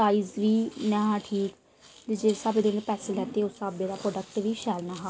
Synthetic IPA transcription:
aːiːzʋiːnɛːɦãːʈʰiːk | d̪ed͡ʒeːsabeːd̪oːnẽpɛːselɛːt̪eːʊsaːbeːɾaːpɾɔːɖək̚ʈʋiːʃɛːlnaːɦaː

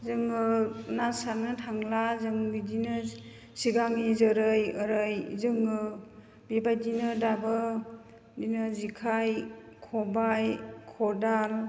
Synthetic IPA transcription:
zɯŋɯnasaɾnɯtʰaŋlazɯŋbidinɯ | siɡaŋizɯɾɯjɯɾɯjzɯŋɯ | bebajdinɯdabɯ | dinɯzikʰaj | kʰɔbajkʰɔdal

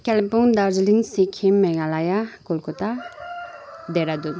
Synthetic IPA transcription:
kɛlipuŋd̪aɾd͡ʒiliŋsikʰimɛɡalajakolkut̪a | d̪eɾad̪u

